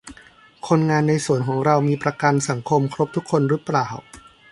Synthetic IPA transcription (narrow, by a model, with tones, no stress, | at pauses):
kʰo˧nŋaː˧nːa˧jsu˨˩˦ənkʰɔː˩˦ŋɾa˧wmiː˧pɾa˧ka˧nsa˩˦ŋkʰo˧mkʰɾo˦˥p̚t̪ʰu˦˥kʰːo˧nɾɯ˦˥plaː˨˩w